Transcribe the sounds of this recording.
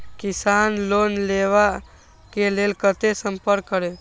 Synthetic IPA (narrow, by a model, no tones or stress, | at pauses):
kɪsaːnloːnleːʋa | keleːlkət̪esə̃mpəɾkːəɾe